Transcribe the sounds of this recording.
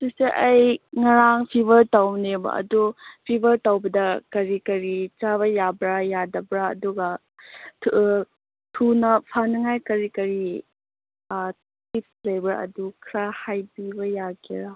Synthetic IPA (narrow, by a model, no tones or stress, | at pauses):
suseʔɐjŋɐɾaŋpʰibɐɾtawnebɐ̰ɐ̰dupʰibɐɾtawbɐdɐkɐɾikɐɾit͡ʃaβɐjabɾajadɐbɾa̰ːduɡɐ | tʰ | tʰunɐpʰanɐŋajkɐɾikɐɾi | tip̚slejbaɾɐ̰dukʰɾahajbibɐjaɡiɾa